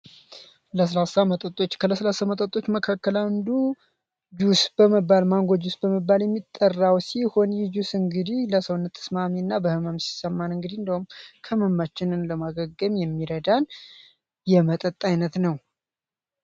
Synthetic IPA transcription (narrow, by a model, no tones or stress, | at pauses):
ləs̬əlasamət̪ʼət̪ʼːo̞t͡ʃːkʰələsəlasamət̪ʼət̪ʼːo̞t͡ʃːməkʰakːəlaɨnd̪u | d͡ʒusbəməbːalmaŋɡʷod͡ʒusbəməbːaljɛmːit̪ʼːərːawsiho̞njɪd͡ʒusɨŋɡɨd̪ihləsəwnːət̪ʰːə̥smamiɨnːabəhɨməmsi̥səmːanɨŋɡɨd̪iɨnd̪əhumkʰəməmːat͡ʃːɪnɨnləmaɡəɡːəmjɛmːiɾəd̪an | jɛmət̪ʼət̪ʼːajnət̪nəw